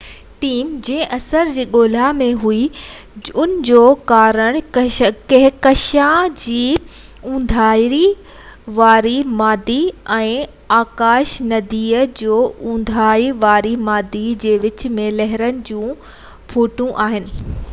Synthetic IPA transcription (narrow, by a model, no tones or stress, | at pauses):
ʈiːmd͡ʑẽɦɪ̃ʔɐsəɾd͡ʑiːɠoːl̤amẽɦui | ʊnɪ̆d͡ʑoːkaːɾəɽ̃kɐɦkɐʃãd͡ʑiː | ũːnd̪ʱaːɾi | ʋaːɾimaːd̪iɛ̃ː | aːkaːʃnɐd̪iːəd͡ʑoːũːn̆d̪ʱaːiʋaːɾimaːd̪id͡ʑeːʋɪt͡ɕmẽlɐɦɪɾənɪ̆d͡ʑũː | pʰoːʈũʔaːɦɪnɪ̆